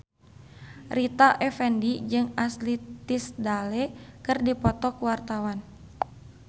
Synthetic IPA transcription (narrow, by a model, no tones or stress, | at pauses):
rit̪aʔɛfɛndid͡ʒɨŋaslit̪isdalɛkɨrdipɔt̪ɔkuwart̪awan